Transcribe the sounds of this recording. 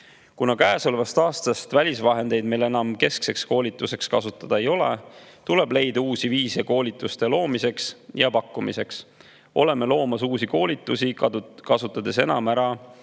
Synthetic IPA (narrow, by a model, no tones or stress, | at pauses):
kunɑkæːsolvɑst̪ɑːst̪ɑst̪vælʲisvɑɦe̞nd̪e̞jd̪̚me̞jle̞nɑmke̞skse̞ksko̞ːlʲit̪ːˑuse̞kskɑsut̪ːˑɑd̪̥ɑejo̞lḛt̪ule̞b̥le̞jd̪̥ɑuːsiviːsɑko̞ːlʲit̪ːˑust̪e̞lo̞ːmise̞ksjɑpɑkːˑumḭse̞ks | o̞le̞me̞lo̞ːmɑsuːsiko̞ːlʲit̪ːˑusikɑsut̪ːˑɑd̪̥e̞se̞̰nɑ̰mæɾɑ